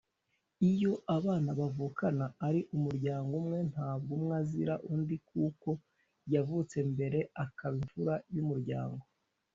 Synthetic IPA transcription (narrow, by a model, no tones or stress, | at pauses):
ijo̞ʔaβaːnaβavuːkanaːɾiʔumuɾɟaːŋɡumŋe̞n̥haːb̚ɡumŋaziɾaʔundikuːko̞ | javut͡se̞mbe̞ɾe̞akaβiɱvuɾajumuɾɟa̰ːŋɡo̞